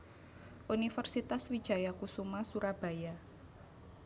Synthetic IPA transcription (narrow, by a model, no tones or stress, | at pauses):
ʔunifərsit̪aswid̥ʒ̥a̤jakusumasuɾab̥a̤ja